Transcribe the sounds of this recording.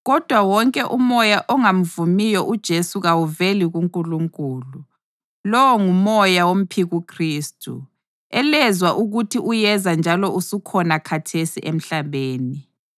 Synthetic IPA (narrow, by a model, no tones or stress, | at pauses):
ɣɔd̥ʱwawɔŋkʼɛʔumɔjaʔɔŋam̩vumijɔʔud̥ʒ̥ʱesuɣawuveliɣuŋkʼuluŋkʼuːlu | lɔwɔŋumɔjawom̩pʰiɣukʰriːstʰʼṵ | ɛlɛzwaʔuɣutʰiʔujɛzand͡ʒʱalɔusukʰɔnakʰatʰesiʔem̩ɬaβeːni